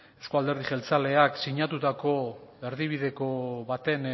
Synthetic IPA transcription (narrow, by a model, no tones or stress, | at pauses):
ewskoald̪e̞ɾðixe̞lt͡sale̞aksiɲat̪ut̪ako̞e̞ɾðiβ̞iðe̞ko̞βat̪e̞n